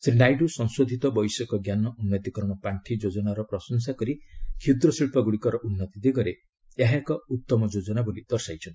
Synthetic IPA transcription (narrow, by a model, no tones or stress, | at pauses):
sɾiɳɖajɖusɔŋsod̪ʱit̪ɔbɔjsɔkɔɡjanɔʔunːɔt̪ikɔɾmɔpaɳʈʰid͡ʒod͡ʒɔnaɾɔpɾɔsɔns̬akɔɾikʰid̪ɾɔsiɭpɔɡuɽikɔɾɔʔunːɔt̪id̪eɡɔɾe | aɦakɔut̪ːɔmɔd͡ʒod͡ʒɔnabolid̪̥ɔɾsajt͡ʃʰɔnt̪i̥